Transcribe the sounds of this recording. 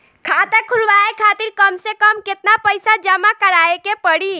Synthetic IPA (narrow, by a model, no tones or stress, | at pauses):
kʰaːt̪ekʰulʋaekʰaːt̪iɾkəmsekəmkɪt̪napəɪsad͡ʒəmakəɾaekepəɽi